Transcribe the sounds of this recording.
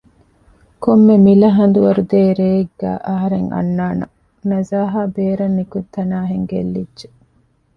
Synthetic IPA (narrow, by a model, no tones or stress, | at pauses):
komːemilɐɦɐnd̪uʋɐɾud̪eːɾeːɡːæ̰ːʔɐɦɐɾeŋɐ̰nːaːnɐ̰ | nɐzaːɦaːbeːɾɐnːikut̪ʰːɐnaːɦeŋɡḛlːidʒe